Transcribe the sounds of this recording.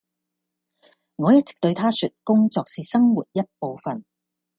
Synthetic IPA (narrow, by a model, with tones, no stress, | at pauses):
ŋɔː˨˧jɐ˥t̚t͡sɪ̥˨k̚t̪ɵ˧ɥt̪ʰaː˥sy˨t̚kʊ˥ŋt͡sɔː˨k̚siː˨sɐ˥ŋwuː˨˩t̚jɐ˥t̚po˨˧wfɐ˨˩n